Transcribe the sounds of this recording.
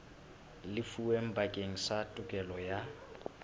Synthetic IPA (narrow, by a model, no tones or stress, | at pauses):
lɪfuwem̩bakʼeŋ̩satʼʊkʼɛlɔja